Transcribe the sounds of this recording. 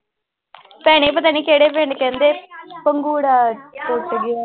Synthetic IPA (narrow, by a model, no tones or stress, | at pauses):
pɛːɽ̃eːp̬ət̪aːniːkeːɽeːp̬eːɳɖkɛ̃ːnd̪eːpəŋɡuːɽaːtoːʈːəɡɪaː